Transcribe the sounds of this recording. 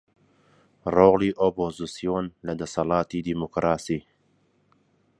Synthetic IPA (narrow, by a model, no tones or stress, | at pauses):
roːɣliːʔopoːzisijonlɐd̪ɐsɐlɑːt̪iːd̪imukɾɑːsiː